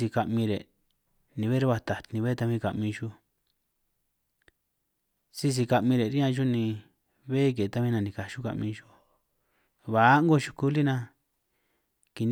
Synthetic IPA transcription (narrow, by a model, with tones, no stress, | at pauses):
i˧ka˧ʔmĩ˧ɾe˨ | nĩ˨˧βe˦ɾe˦βa˧t̪a˨t̪nĩ˧βe˦t̪a˧βĩ˦ka̰˨ʔmĩ˧ʒu˦ | si˦s̬i˧ka˧ʔmĩ˧ɾe˨ɾi˦ã˧ʒu˦nĩ˧ | βe˦k̬e˨˧t̪a˦βĩ˦nã˧˨nĩ˨ka˨ʃu˦ka̰˨ʔmĩ˧ʒu˦ | βa˨˦ŋ˦ɡo˦˧ʃu̥˧ku˦li˦nã˧ | ki˨n